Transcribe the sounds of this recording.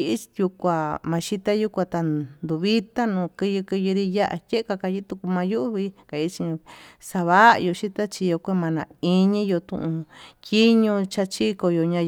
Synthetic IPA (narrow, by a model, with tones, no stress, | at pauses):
i˧ʔju˧kʷa˨mã˧ʃi˦t̪a˦ju˦kʷa˧t̪a˨nd̪u˨βi˦t̪a˦nũː˨˧˨kɨ˧jɨ˧kɨ˧ju˧ɾi˧ja˦ʔa̰˧tʲe˦ka˧ka˧ji˦t̪u˧ku˧mã˧ju˦˧˦βi˧˦ka˨i˧˦t͡ʃĩ˧sa˧βa˦˧jo˧ʃi˦t̪a˦t͡ʃi˧jo˧kʷe˦mã˧nã˨i˦˧ɲĩ˦jo˧t̪ṵ̃˧ʔũ˧tʲi˦ɲũ˧t͡ʃa˧t͡ʃi˦ko˧jo˧ɲã˧